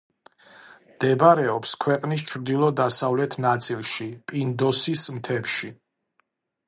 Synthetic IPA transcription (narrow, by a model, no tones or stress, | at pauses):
md̪̥ɛbaɾɛɔpskʰwɛqʼnis̬t͡ʃʰɾd̪ilˠɔd̪asavlɛt̪ʰnat̪sʼilˠʃipʼind̪ɔsismt̪ʰɛpʃi